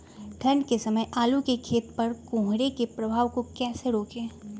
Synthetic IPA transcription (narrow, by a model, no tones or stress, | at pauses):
d̪ʰʱɐɳɖkesɐməjʔaːlukekʰeːt̪pɐɾkõːɦɾekepɾɐbʱaːʋkokɛːseɾoːkẽː